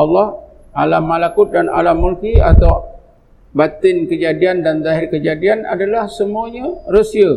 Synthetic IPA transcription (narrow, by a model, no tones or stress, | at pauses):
ɑlːɔh | ʔalamːalakʊt̪̚dana̰lamːulkia̰t̪aw | bat̪ɪnkəd͡ʒadiandanzaɦɪrkəd͡ʒadiana̰dalahsəmuaɲãrosiə